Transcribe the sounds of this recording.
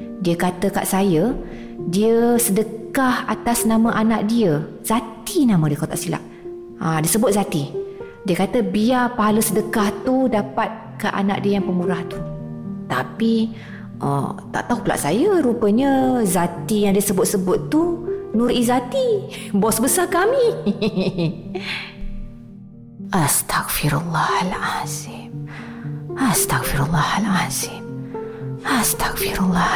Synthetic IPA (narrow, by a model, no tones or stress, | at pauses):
diəkat̪əka̰ʔsajə | diəsədəkkahat̪asnaməʔanaʔ̚diə | z̥at̪inamə̃diəkot̪aʔsila̰ʔ | ãdiəsəbʊt̪̚zat̪i | diəkat̪əbiapaɦalusədəkaht̪udapat̪̚kaʔa̰na̰ʔ̚diəjaŋpəmuɾaht̪u̥t̪api | ʔə̰t̪a̰ʔt̪aɦupəlaʔsajaɾupəɲəzat̪ijaŋdiəsəbʊt̪̚səbʊt̪ːunuɾʔizat̪ibɔsbəsakami | ʔast̪ʰakfiɾulːɑhalasɪp̚ | ast̪akfiɾulːɑhalasɪm̚ | ast̪ḁkfiɾulːɑ